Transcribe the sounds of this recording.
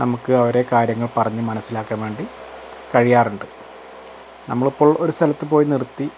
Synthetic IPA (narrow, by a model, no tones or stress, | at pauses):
nɐmukːɨɐʋɐɾe̞kaːɾjɐŋːɐɭpɐrɐɲːɨmɐnɐsːilaːkːɐmʋe̞ːɳɖi | kɐɻijaːruɳɖɨ | nɐmːɐɭipːo̞ːɭoɾust̪ʰɐlɐt̪ːɨpo̞ːjinirt̪ːi